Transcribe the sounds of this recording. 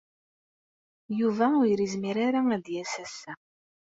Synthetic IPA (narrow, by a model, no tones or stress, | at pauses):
juvæʊjɾizmiɾaɾaæd̪jæsæsːæ